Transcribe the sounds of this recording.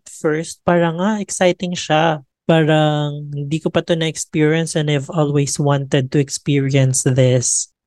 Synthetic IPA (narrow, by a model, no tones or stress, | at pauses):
fɛɹst̪̚paːɾɐŋaʔɛksajt̪ɪŋʃa | paːɾɐŋhɪ̃nd̪iːkopɐt̪onɐɛkspiɹiɐnsɛ̃nd̪ajvɔlwɛjswɑ̃nt̪ɛd̪̚t̪ʊɛkspiɹiɐ̃nsðɪs